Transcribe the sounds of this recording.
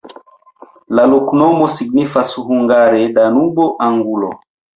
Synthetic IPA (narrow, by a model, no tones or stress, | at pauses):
lalokunɔmɔsiɡ̚nifasuhuŋɡaɾɛdanubɔʔaŋɡulɔ